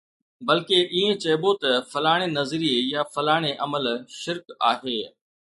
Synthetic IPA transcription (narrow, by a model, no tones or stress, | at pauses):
bɐlkeʔiːẽt͡ɕɐːbot̪ɐfɐlaːɽ̃enɐzɾiejaːfɐlaːɽ̃eʔɐməlʃɪɾkaːɦeː